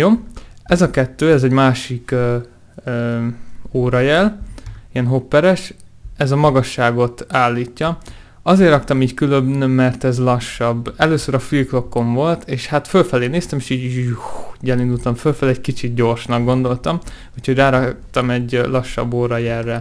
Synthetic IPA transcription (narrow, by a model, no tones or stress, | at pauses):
joːɛzɒkɛt̪ːøːɛzɛɟmaːʃikøː | oːɾɒjɛliɛnɦopːɛɾɛʃɛzɒmɒɡɒʃːaːɡo̞t̪aːlːiːcːɒ | ɒzeːrːɒkt̪ɒmiːckyløbnːɛrt̪ɛzlɒʃːɒbɛløːsøɾɒfilklo̞kːo̞ɱvo̞lt̪ʰeːʃhat̪følfɛleːneːst̪ɛmeːʃiːɟ | ɟɛlind̪ult̪ɒɱfølfɛlːɛckit͡ʃit̪̚ɟo̞rʃnɒɡ̚ɡond̪o̞lt̪ɒm | uchoɟraːɾɒkt̪ɒmɛɟlɒʃːɒ̰bːoːɾɒjɛrːɛ